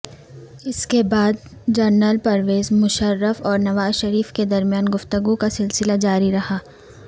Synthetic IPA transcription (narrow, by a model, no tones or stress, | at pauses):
ɪskebaːd̪̚d͡ʒɐɾnəlpɐɾʋeːzmʊʃəɾːəfɔːɾnɐʋaːzʃɐɾiːfked̪ɐɾmijaːnɡʊft̪əɡũkasɪlsɪlad͡ʒaːɾiɾɐhaː